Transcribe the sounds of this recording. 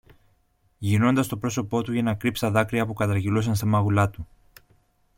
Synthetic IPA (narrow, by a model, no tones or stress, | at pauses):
ʝino̞nd̪ɐst̪o̞pɾo̞so̞po̞t̪uʝɐnɐkɾipst̪ɐðɐkɾiɐpukɐt̪ɐɾʝilus̬ɐnst̪ɐmɐɣulɐt̪u